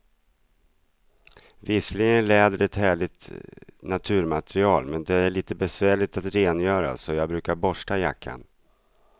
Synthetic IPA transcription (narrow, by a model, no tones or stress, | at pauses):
vɪsklɪɡənlɛːd̪əɖɛt̪hæːɭɪɡt̪nat̪ʰʉ̟ːɾmat̪ɾɪɑːlmɛnd̪ɛæɭiːt̪əbɛsvæːɭɪɡ̚t̪at̪ɾeːnjœːɾa̰sɔjɑːɡbɾʉ̟ːkaɾbɔʂʈajakʰːa̰n